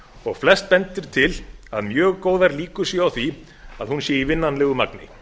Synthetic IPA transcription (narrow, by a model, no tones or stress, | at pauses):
ɔɣflɛst̪̚pɛnt̪ɪɾ̥t̪ʰɪlaðmjœːɣkoːwðaɾliːkʏ̥sjɛawθi | aðhunsjɛivɪnːanlɛɣʏmaknɪ̰